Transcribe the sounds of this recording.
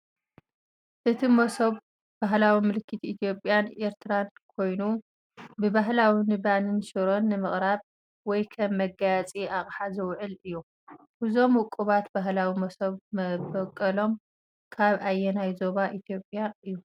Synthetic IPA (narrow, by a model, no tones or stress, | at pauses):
ʔɨt̪ʰimosoβ | b̥aɦlawimɨlɨkːɨt̪ʰiit̪ʰjo̞pʼːjanʔe̞ɾt̪ʰɨɾankʰo̞jnu | bɨbaɦlawinɨbanɨnʃɨɾo̞nːɨmɨχʼɾaβ | wɔjkʰɐmːɐɡat͡sʼiaχʼħazɐwʕɨlɨjːu | bɨzo̞mʊkʼuβat̪baɦlawimɐsɐβmɐbɐkʼːɐlo̞m | kʰaβajːɛnajzo̞βaʔit̪ʰjo̞pʼːjaɨjːu